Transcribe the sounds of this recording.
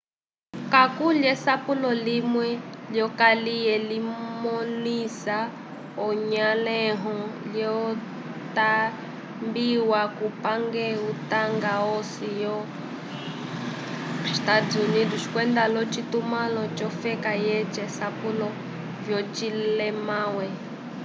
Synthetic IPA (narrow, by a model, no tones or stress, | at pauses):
kakuljɛsapulɔlimwɛljɔkalijɛlimɔnisa | ɔɲalɛɦɔljɔ | t̪a | mbiwakupaŋɡɛutaŋɡaɔsijɔ | tad͡zuniduʃi̥kwɛnd̪alɔt͡ʃit̪umalɔt͡ʃɔfɛkajɛt͡ʃɛsapulɔ | vjɔt͡ʃilɛmawɛ